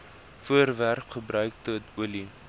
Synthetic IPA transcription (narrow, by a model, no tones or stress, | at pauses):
fuərværkχəbrœɥk̚tuətuəli